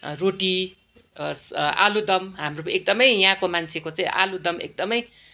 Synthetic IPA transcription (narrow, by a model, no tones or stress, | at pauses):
roʈi | sa̰lud̪ʌmɦamroek̚d̪ʌmʌjjãkomant͡sʰekot͡saĩʔa̰lud̪ʌmḛk̚d̪ʌmʌj